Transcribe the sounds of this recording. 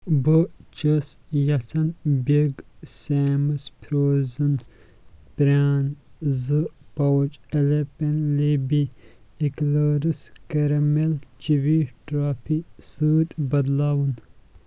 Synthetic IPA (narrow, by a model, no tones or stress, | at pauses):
bət͡ʃəsjɐt͡sʰɐnbeɡseːmɨspʰɾoːzɨn | pɾaːnzɨpɐwt͡ʃʼɐlepenlebi | ekləːɾɨskɐɾɐmelt͡ʃiʋiʈɾaːpʰisɨːt̪ʼbɐd̪lawun